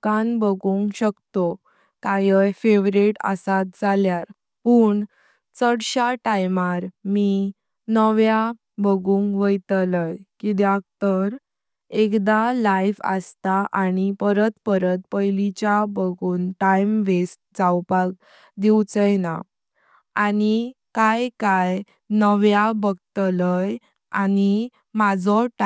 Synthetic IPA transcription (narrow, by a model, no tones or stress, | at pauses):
kanbəɡuŋɡɕəkt̪o | t̪ajəjfeʋɾiʈə̰sat̪̚d͡zaljaɾ | puːɳ | t͡səɽɕaʈajmaɾmi | nəʋja | bəɡũːŋɡʋəjt̪ləjkid̪jak̚t̪əɾ | ekd̪alajfə̰st̪aʔañipəɾət̪pəɾət̪̚pəjlit͡ɕjabəɡuːnʈajmʋesʈ̚d͡zawpak̚ | d̪iwt͡səjna | anikajkaj | nəʋjabəɡt̪ləj | ani | mad͡zɔʈ